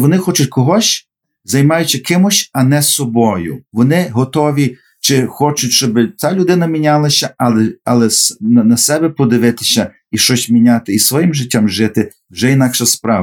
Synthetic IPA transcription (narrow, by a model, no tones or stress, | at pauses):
ʋɔnɪxɔt͡ʃʊtʲkɔɦɔsʲ | zɐjmɑjʊt͡ʃɐkɪmʊsʲɐnɛsɔbɔjʊ̰ʋɔnɪɦɔt̪ɔʋʲi | t͡ʃɪxɔt͡ʃʊtʲʃt͡ʃɔbɪt͡s̪ʲalʲʊd̪ɪnɐmʲinʲalˠɐsʲɐɐlˠɛɐlˠɛsɐnɐsɛbɛpɔd̪ɪʋɪt̪ɪ̥sʲɐ | iʃɔsʲmʲinʲat̪ɪisʋɔjɪmʒɪtʲːamʒɪt̪ɪ | wʒɛinɑkʃɐspɾɑʋ